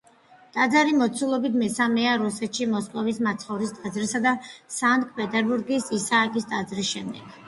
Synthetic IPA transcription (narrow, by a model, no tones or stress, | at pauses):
t̪ʼad̪zaɾimɔt̪sʰulˠɔbit̪ʰmɛsamɛaɾusɛt̪ʃimɔskʼɔvismat̪sʰχɔvɾist̪ʼad̪zɾisad̪asant̪ʼkʼpʼɛt̪ʼɛɾbuɾɡisisaːkʼist̪ʼad̪zɾisʃɛmd̪ɛɡ̥